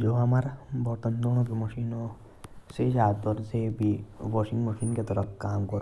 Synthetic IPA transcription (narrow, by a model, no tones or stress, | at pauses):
d͡ʒoːɦamaɾabɔt̪ənd̪oɽ̃ok̬emɔʃino | sed͡ʒaːt̪ɔɾsebʱiʋɔʃĩŋɡməʃiːnket̪ɔɾəkkaːmkɔɾ